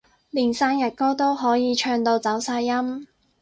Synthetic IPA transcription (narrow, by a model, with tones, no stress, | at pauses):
liː˨˩nsaː˥njɐ˨˩t̚kɔː˥t̪o˥wɦɔː˨˥jiː˨˧t͡ʃʰœː˧ŋt̪o˧wt͡sɐ˨˥wsaː˧jːɐ˥m